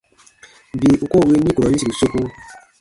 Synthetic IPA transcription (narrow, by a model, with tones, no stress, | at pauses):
bi˨ʔu˨ko˦˨we˦nĩ˦ko˨ɾɔ˨ĩ˦si˨ɾi˨so˦ku˦